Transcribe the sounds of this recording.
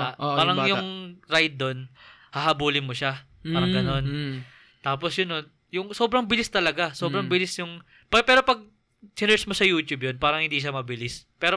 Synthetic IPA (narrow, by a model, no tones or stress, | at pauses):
aʔpaːɾɐŋjʊŋɾajd̪̚ːo̞n | hɐɦɐbuːlɪnmoʃa | paːɾɐŋɡɐno̞n | t̪aːposjʊnon | jʊŋsoːbɾɐŋbɪlɪst̪ɐlɐɡasoːbɾɐŋbɪlɪsjʊŋ | pɐpɛːɾopɐɡ̚ | sɪnɛsmosɐjuːt̪jubjonpaːɾɐŋhɪnd̪iʃ̬amɐbɪlɪspɛːɾo